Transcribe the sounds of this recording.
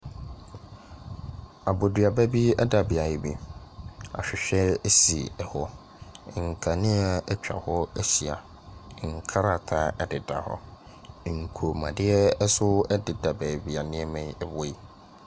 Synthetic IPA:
a˨bo˨dɥa˨bæ˦bi˦ɛ˦da˨bi˨a˨jɪ˨bḭ˨ | a̰˨ɕᶣɪ˨ɕᶣɛ˦si˨ɛ˨hɔ˦˨ | ŋ̩˨kʰã˨nɪ̃˦a˨ɛ˦t͡ɕᶣa̰˨hɔ˦ɛ˦si˨a˨˦˨ | ŋ̩˨kʰa˦ɾa˨tʰa˦ɛ˦dɪ˨da˨hɔ̰˦˨ | ŋ̩˨kʰo˨mã̰˨dɪ˦ɛ˦ɛ˦sʊ˦ɛ˦dɪ˨da˨bæː˨bi˨a˨nɪ̃˦ɛ˦mɛ̃˨ɛ˨bɔ˦i˦˨

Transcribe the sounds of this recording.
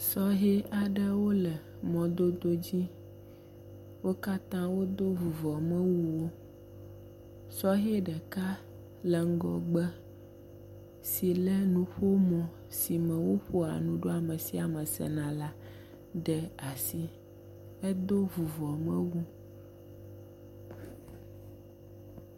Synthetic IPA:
sɔ˦ɦe˦a˨ɖə˦wo˦lə˨ | mɔ̃˨d̪o˦d̪o˦d͡ʑi˦ | wo˦ka˦t̪ã˦wo˦d̪o˦vu˨vɔ˨mə̃˦wu˦wo˦ | sɔ˦ɦe˦ɖɛ˨ka˦ | lɛ˨ŋ̩˦ɡɔ˨ɡ͡bə˦ | si˨lɛ˦nũ˨ɸo˦mɔ̃˨ | si˨mɛ̃˨wo˦ɸo˦a̰˨nũ˨ɖo˦a˨mɛ̃˨si˦a˨mɛ˨sɛ̰˨nã˨la˦ | ɖɛ˨a˨si˦ | ɛ˦d̪o˦vu˨vɔ˨mɛ̰̃˦wu˦

